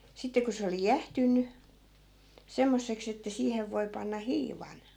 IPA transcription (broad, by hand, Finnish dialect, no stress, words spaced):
sitːe ko se oli jæhtynːy semːosːeks etːæ siːheʋ ʋoi̯ pɑnːɑ hiːʋɑn